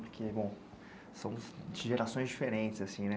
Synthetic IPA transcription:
poɾkʰebõ | sɐ̃w̃d͡ʒʒeɾasõj̃zd͡ʒifeɾẽnt͡ʃɪzasĩnɛ

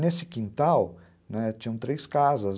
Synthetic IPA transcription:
nesɪkĩnt̪aw | nɛt͡ʃĩɲɐ̃w̃t̪ɾejskazɐz

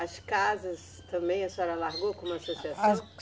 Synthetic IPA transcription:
ɐskazɐs | t̪ɐ̃mbẽj̃ɐsɛɾɐlaɾɡowkõmɐsosɛsɐ̃

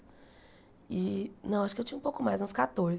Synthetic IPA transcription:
ɪnɐ̃w̃aʃʊ̥kɪewt͡ʃiɲɐũpowkʊmajzũskat̪oɾ

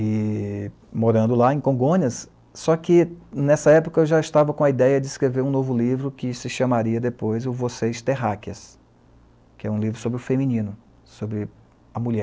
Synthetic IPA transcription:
ɪ | moɾɐ̃nd̪ʊlaẽkõɡõɲɐsː | ɔkɪnɛsɐɛpʊkɐewʒaɪst̪avɐkõɐid̪ɛjɐd͡ʒɪskɾeveɾũnovʊlivɾʊkɪsɪʃɐ̃maɾiɐd̪epojzʊvoseʃt̪eɦakiɐs | kɪɛũlivɾʊsobɾɪʊfemĩnĩnʊ | sobɾɪ | ɐmuʎɛɾ

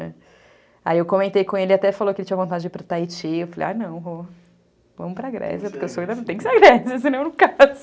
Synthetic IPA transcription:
ɛ | a̰iewkõmẽnt̪ejkõelɪat̪ɛfalowkɪelɪt͡ʃĩɐvõt̪ad͡ʒɪd͡ʒɪpɾɐt̪ait͡ʃeewfalḛjajnɐ̃w̃ɦo | vɐ̰̃mʊpɾɐaɡɾɛ̰siɐpoɾkeewsoĩd̪ɐ̃t̪ẽj̃kɪseɾaɡɾɛziɐsinɐ̃w̃nʊ̃kazʊ

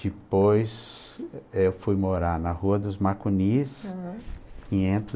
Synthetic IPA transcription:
d͡ʒɪpojs | ewfujmoɾaɾnɐhuɐd̪ʊzmakunis | kĩɲẽnt̪ʊ

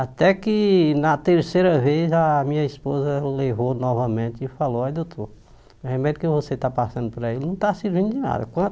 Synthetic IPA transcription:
at̪ɛkɪnɐt̪eɾsejɾɐvezɐmĩɲɐispozɐlevonɔvɐmẽt̪ɪɪfaloɐd̪ut̪ʰoɾ | hemɛd̪ʊkɪvoset̪apasɐ̃nd̪ʊpɾailɪnɐ̃w̃t̪asiɾvĩnd̪ʊd̪ɪna̰d̪ɐ̰kwɐ̃

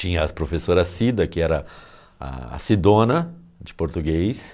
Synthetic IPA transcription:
t͡ʃĩɲɐɐpɾofesoɾɐsid̪ɐkɪɛɾɐ | a̰ːsid̪õnɐ | d͡ʒɪpoɾt̪uɡejs

